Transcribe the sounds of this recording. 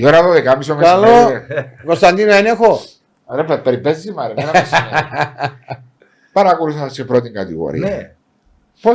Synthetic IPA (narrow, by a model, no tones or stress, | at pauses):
ioɾɐðoðekamisomekalːoekost̪ɐnd̪inoenexo | ɾepepeɾipːesizimɐɾimenɐsɐ | pɐɾɐkoɾuθɐɐsepɾot̪iŋɡɐt̪ḭɣo̰ɾḭneɐ | po